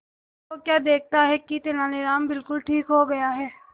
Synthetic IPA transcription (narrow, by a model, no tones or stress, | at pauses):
kokjaːd̪eːk̚ʰt̪aɦɛkit̪enaːleɾaːmbɪlkʊlʈʰiːkɦoɡɐjaɦɛː